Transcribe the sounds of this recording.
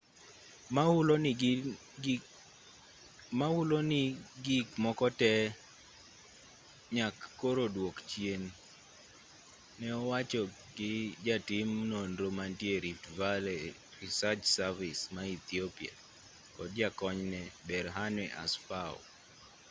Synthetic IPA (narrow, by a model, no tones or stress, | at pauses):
l | maʊlonɪɡikmɔkɔtɛ | ɲakːoɾodwokt͡ʃjen | ɛɔwat͡ʃɔ | ɡɪd͡ʒatɪmnonɾomantjeɾitvalɛ | ɾisat͡ʃsarvɪsmait̪iopia̰ | kɔd̚d͡ʒakɔɲnɛbɛɾɦanwɛʔa̰sfaɔ̰